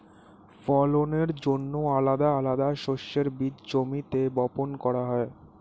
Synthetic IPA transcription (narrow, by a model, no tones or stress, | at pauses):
fɔloneɾd͡ʑonːoalad̪aalad̪aʃoʃːeɾbid̪d͡ʑomit̪ebɔponkɔɾaɦɔe